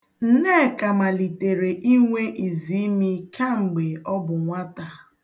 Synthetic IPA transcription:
n̩˦ne˦˨ka˨ma˨li˨te˨ɾe˨ʔi˦ŋʷe˦ʔi˨zi˨˦mi˦kʰa˦ŋ͡m̩˨ɡ͡be˨ɔ˦bʊ˨ŋʷa˦ta˨

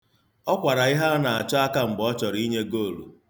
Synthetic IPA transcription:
ɔ˦kʷa˨ɾa˨ɪ˦ɦa˦na˨a˨t͡ʃɔ˦a˦ka˦m̩˨bɔ˦t͡ʃɔ˨ɾi˦ɲe˦ɡo˦˨lṵ˨

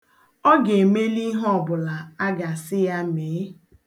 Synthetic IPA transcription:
ɔ˦ɡe˨me˦li˦ɦɔ˦˨bʊ˨la˨a˦ɡa˨sɪ˦ja˦meː˨˦

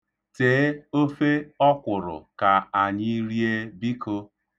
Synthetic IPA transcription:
teː˨˦o˦fe˦ɔ˦kʷʊ˨ɾʊ̰˨ka˨a˨ɲɪ˦ɾi˦e˦bi˦ko˦

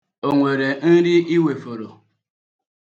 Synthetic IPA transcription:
o˨ŋʷe˨ɾe˨n̩˦dɪ˦ʔi˦we˨fo˨ɾo˨

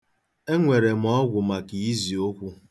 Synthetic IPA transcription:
e˦ŋʷe˨ɾe˨m̩˨ɔ˦ɡʷʊ˨ma˨ki˨i˦zi˨o˦kʷu˦

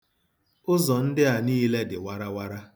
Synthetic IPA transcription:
ʊ˦zɔ˨n̩˦dɪ˦a˨niː˦le˦dɪ̰˨wa˦ɾa˦wa˦ɾa˦

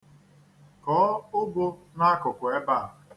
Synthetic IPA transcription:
kɔː˨˦ʊ˦bʊ˦ | na˦kʊ˨kʊ˨e˦ba˦˨

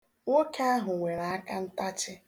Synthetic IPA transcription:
ŋʷo˦ke˦a˦ɦʊ˨ŋʷe˨ɾa˨a˦ka˦n̩˦ta˦t͡ʃɪ˦

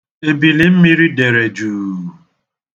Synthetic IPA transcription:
e˨bi˨li˨m̩˦mi˦ɾi˦de˨ɾe˨d͡ʒuː˨

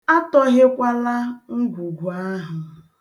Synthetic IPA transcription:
a˦tɔ˦ɦe˦kʷa˦la˦ŋ̩˦ɡʷu˨ɡʷu˨a˦ɦʊ˨

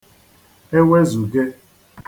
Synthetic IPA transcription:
e˦we˦zu˨ɡe˦

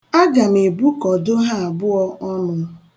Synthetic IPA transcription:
a˦ɡa˨me˨bu˦kɔ˨do˦ɦa˦a˨bʊ˦ɔ˦ʔɔ˦nʊ˦

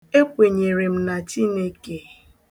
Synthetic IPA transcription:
e˦kʷe˨ɲe˨ɾe˨m̩˦na˨t͡ʃi˦ne˦ke˨

